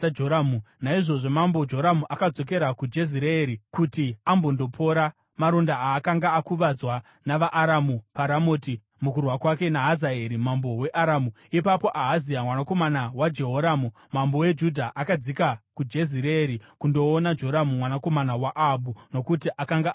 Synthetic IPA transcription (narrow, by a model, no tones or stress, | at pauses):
d͡ʒoɾamunaiʐo̞ʐo̞mambo̞d͡ʒo̞ɾamuʔakad͡zo̞k̬e̞ɾakud͡ʒe̞ziɾeːɾikutiambo̞ndo̞pʰo̞ɾa | maɾondaaːkaŋɡaːkuʋad͡zwa | naʋaʔːɾamupaɾamoːti | mukurwakwake̞naɦazaeɾimambo̞we̞ʔaɾamu | ipapo̞ʔaɦaziamwanako̞manawad͡ʒe̞ɦoɾamu | mambo̞we̞d͡ʒudʱaʔakad͡zikakud͡ʒe̞ziɾeːɾikundo̞ːnad͡ʒo̞ɾamumwanako̞manawaʔaɓuno̞kutiʔakaŋɡa